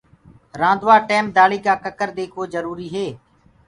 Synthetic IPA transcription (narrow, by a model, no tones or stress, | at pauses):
ɾãːnd̪ʋaːʈeːm̚d̪aːɭiːkaːkəkəɾd̪eːkʰoːzəɾuːɾiːɦeː